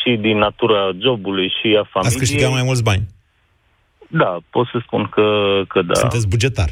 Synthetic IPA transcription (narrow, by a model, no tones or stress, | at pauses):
ʃid̪inːat̪uɾad͡ʒo̞bulujʃiafamasskəʃtiiɡat̪majmult̪s̬banʲ | d̪apot̪səspunkəkʰəd̪asɨnt̪es̬bud͡ʒe̞t̪a̰r